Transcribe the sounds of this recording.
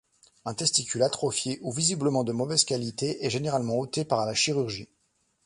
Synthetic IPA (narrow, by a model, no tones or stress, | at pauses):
ɛ̃t̪ɛst̪ikʲylat̪χɔfjeʔuvizibləmɑ̃d̪əmɔvɛzkʲalit̪eʔɛʒeneʁalmɑ̃ot̪epaʁlaʃiʁyʁʒi